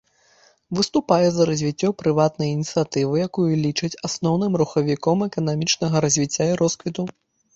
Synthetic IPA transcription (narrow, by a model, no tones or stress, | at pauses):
vɨst̪upajɛzɐɾɐzʲvʲit͡sʲːɔpɾɨvat̪nɐjinʲit̪sɨjat̪ɨvɨjakujulʲit͡ʂɐt͡sʲasnɔwnɨmruxɐvʲikɔmɛkɐnamʲit͡ʂnɐɣɐɾɐzʲvʲit͡sʲːaiɾɔskvʲit̪u